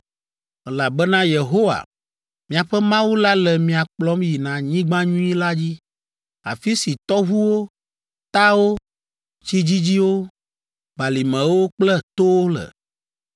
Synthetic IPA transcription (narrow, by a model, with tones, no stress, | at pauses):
ɛ˨la˨bɛ˦nã˦je˨ɦo˦wa̰˨ | mĩ˨a˨ɸɛ˦mã˦wu˦la˦lɛ˨mĩ˨a˨k͡plɔ˦mji˨nã˨ɲĩ˦ɡ͡bã˦ɲũ˦ĩ˦la˦d͡ʑi˦ | a̰˨fi˦si˨t̪ɔ˦ɦu˦wo˦ | t̪a˦wo˦ | t͡ʃi˦d͡ʑi˦d͡ʑi˦wo˦ | ba˨li˨mɛ̃˨wo˦k͡plɛ˦t̪o˦o˦lɛ̰˨